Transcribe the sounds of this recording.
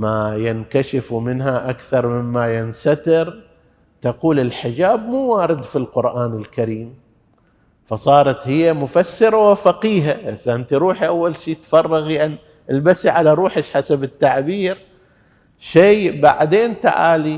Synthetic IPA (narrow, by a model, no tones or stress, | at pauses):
majɪnkaʃɪfumɪnɦaʔakθɑɾˤmɪmːajɪnsat̪ɪɾ | t̪aquːlɪlħɪd͡ʒaːbmuːwaːɾɪd̪filqʊɾʔaːnɪlkaɾiːm | fɑsˤɑːɾˤɑt̪hɪjːamʊfasːɪɾawɪfaqiːɦaʔɪsːaʔɪnt̪iɾuːħiʔawːalʃiːt̪fɑrˤːɑɣjaʕni | ʔɪlbasiʕalaɾˤuːħɪʃħasabɪt̪ːaʕbiːɾ | ʃeːba̰ʕd̪eːnt̪a̰ʕa̰ːli